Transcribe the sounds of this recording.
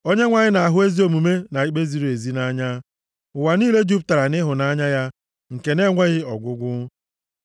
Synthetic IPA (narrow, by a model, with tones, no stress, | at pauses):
o˦ɲe˦ŋʷa˨ɲɪ˦na˨a˨ɦʊ˦e˦zi˦o˨mu˨me˦na˨i˦k͡pe˦zi˦ɾe˨zi˦na˦ɲa˦ | ʊ˨wa˨niː˦le˦d͡ʒu˦p̚ta˨ɾa˨nɪ˦ɦʊ˨na˦ɲa˦ja˦ | ŋ̩˨ke˨ne˦ŋʷe˦ɣɪ˦ɔ˨ɡʷʊ˦ɡʷʊ˦